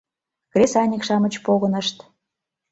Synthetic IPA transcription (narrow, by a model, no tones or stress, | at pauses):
krʲesɑnʲikʃɑmə̆t͡ɕpoɣɤ̆nə̆ʃt̪